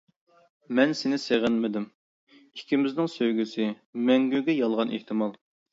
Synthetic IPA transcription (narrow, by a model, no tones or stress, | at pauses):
mɛnsɪnɪseʁɪnmɪd̪ɪm | ikʲʰimɪznɪŋsøjɡʲysɪ | mɛŋɡʲyɡʲɛjɑlˠʁɑnḛht̪ʰɪmɑlˠ